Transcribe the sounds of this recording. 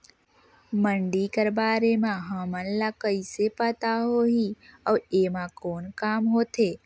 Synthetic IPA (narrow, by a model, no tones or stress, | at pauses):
məɳɖikəɾbaːɾemãɦəmənlakəisepət̪aɦoːɦiəːeːmãkoːnkaːmɦoːt̪eː